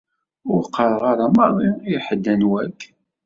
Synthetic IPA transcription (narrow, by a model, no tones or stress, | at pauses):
ʊɾqʰːɑɾˤəʁaɾamɑɾˤðˤiijħəd̪ːænwækʰː